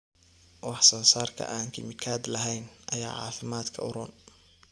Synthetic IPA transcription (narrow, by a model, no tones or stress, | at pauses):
wɑħsɔːnsaːrkʰɐ̰ʔaːŋkʰɪ̰mɪkʰaːd̪lɐɦɛjnʔɐja̰ːʕɑ̰ːfɪmaːd̪kʰɐʊɾɔːn